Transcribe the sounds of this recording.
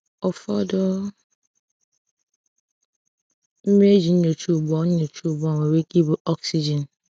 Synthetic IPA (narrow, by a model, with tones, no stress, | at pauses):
ɔ˨fɔ˦dɔ˦ | m̩˦m˦e˦d͡ʒi˨n̩˦no˨t͡ʃu˦˨bɔ˦n̩˦no˨t͡ʃu˦˨bɔ˦˨ŋe˨we˦ki˦bu˦ʔɔ˦ksi˦d͡ʒɛ˨n